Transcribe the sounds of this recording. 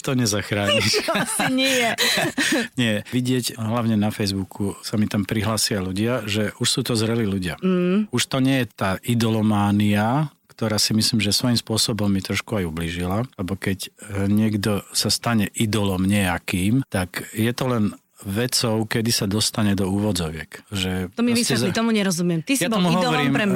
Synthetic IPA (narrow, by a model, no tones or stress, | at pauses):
t̪ɔɲɛzaxɾaːɲiʃɲɛjɛ | ɲɪɛʋiɟɪɛcɦlaʊɲɛnafɛjzbukʰusamit̪ampɾiɦlaːsɪaluɟɪaʒɛuʃsuːt̪ɔzɾɛliluɟɪauʃt̪ɔɲɛjɛt̪aːʔid̪ɔlɔmaːniakt̪ɔɾaːsimisliːmʒɛsʋɔjimspʊɔsɔbɔmːit̪ɾɔʃkuajubliːʒilalɛbɔkɛcɲɪɛɡd̪ɔsast̪aɲɛʔid̪ɔlɔmɲɛjakiːmt̪akjɛt̪ɔlɛn | ʋɛt͡sɔʊkɛd̪isad̪ɔst̪aɲɛd̪ɔuːʋɔd͡zɔʋɪɛkʒɛɔmisɛzit̪ɔmuɲɛɾɔzumɪɛmt̪isjatɔmuɦɔʋɔɾiːmɾɛ